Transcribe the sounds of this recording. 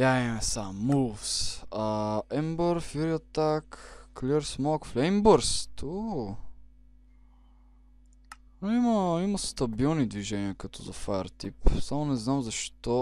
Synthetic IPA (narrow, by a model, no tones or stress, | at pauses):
jaɛmɛsamːulˠfsɐɛmbəɾfiɾiɐt̪akːlʲiɾsmɔkflʲɛmbəɾst̪u | noimɐiməst̪ɐbilˠnid̪viʒɛniəkɐt̪ʰɔzɐfaə̰ɾt̪ipsamonɛznamzɐʃt̪ɔ